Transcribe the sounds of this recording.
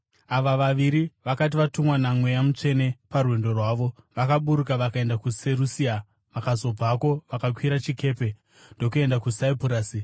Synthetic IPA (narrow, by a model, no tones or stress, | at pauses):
aʋaʋaʋiɾiʋakat̬iʋatumwanamwe̞jamut͡ʂe̞ne̞parwe̞ndo̞rwaːʋo̞ʋakaɓuɾukaʋakae̞ndakuseɾusia | ʋakazo̞b͡vako̞ʋakakwiɾat͡ʃike̞ːpe̞ | ndo̞kue̞ndakusaipuɾaːsi